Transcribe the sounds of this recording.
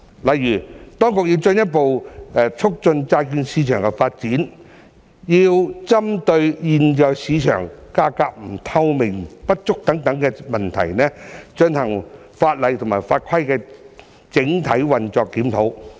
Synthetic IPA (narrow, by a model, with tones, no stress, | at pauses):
lɐ˨jɥyː˨˩t̪ɔː˥ŋkʊ˨˧k̚jiː˧wt͡ʃɵ˧njɐ˥t̚po˨wt͡ʃʰʊ˥k̚t͡sɵ˧nt͡saː˧jkiː˧nsiː˨˥t͡ʃʰœ̰ː˨˩ŋkɛ˧faː˧t̚t͡siː˨˥n | jiː˧wt͡sɐ˥mt̪ɵ˧ɥjiː˨˧njœː˧ksiː˨˧t͡ʃʰœ̰ː˨˩ŋkaː˥kaː˧k̚m̩˨˩t̪ʰɐ˧wmɪ˨˩ŋpɐ˥t̚t͡ʃʊ˥k̚t̪ɐ˨˥ŋt̪ɐ˨˥ŋkɛː˧mɐ˨nt̪ʰɐ˨˩jnɛː˥t͡ʃɵ˧nhɐ˨˩ŋ | faː˧t̚lɐ˨jt̪ʰʊ˨˩ŋmaː˨˩jfaː˧t̚kʰɐ˥jkɛː˧ | t͡sɪ˨˥ŋt̪ʰɐ˨˥jwɐ˨nt͡sɔː˧kːiː˨˥mt̪ʰo˨˥w